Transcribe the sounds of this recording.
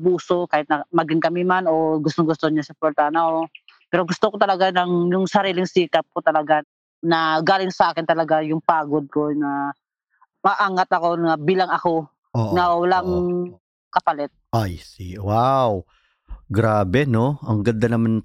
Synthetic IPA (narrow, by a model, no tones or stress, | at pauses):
buːso̞kaːhɪt̪nɐmɐɡɪŋkɐmɪmano̞ɡʊst̪oŋɡʊst̪oɲasʊpɛɾt̪anɐopɛːɾoɡʊst̪okot̪ɐlɐɡanɐŋjʊŋsɐɾiːlɪŋsiːkɐp̚kot̪ɐlɐɡa | nɐɡaːlɪŋsɐʔaːkɪnt̪ɐlɐɡajʊŋpaːɡod̪̚ko̞nɐ | mɐʔaːŋat̪ɐko̞nɐbiːlɐŋɐko̞ | onɐwɐlaŋ | kɐpɐlɛt̪̚ajsiwaw | ɡɾaːbɛno̞ɐŋɡɐnd̪ɐnɐman